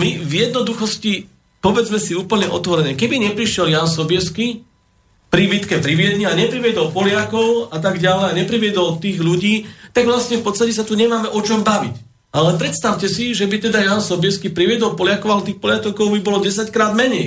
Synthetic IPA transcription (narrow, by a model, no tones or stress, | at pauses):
mivjɛd̪nɔd̪uxɔsci | pɔʋɛd͡zmɛsiuːpl̩ɲɛʔɔ̰t̪ʋɔɾɛnɛːkɛbiɲɛpɾiʃɪɛljaːnsɔbɪɛski | pɾiːbit̪kɛpɾiʋɪɛd̪ɲɛaɲɛpɾiʋjɛd̪ɔlpɔlɪakɔʊat̪̬aɡɟalɛjaɲɛpɾiʋɪɛd̪ɔlt̪iːɣʎuɟiːt̪aɡʋlasɲɛfpɔt̪t͡sst̪acɛsat̪uɲɛmaːmɛʔɔt͡ʃɔmbaʋḭc | ʔalɛpɾɛt̪st̪aʊcɛsiʒɛbit̪ɛd̪ajaːnsɔbɪɛskipɾiʋɪɛd̪ɔlpɔlɪakɔʊalɛt̪iːxpɔlɪat̪ɔʊkɔʊbibɔlɔɟɛs̬ackɾaːd̪mɛɲɛj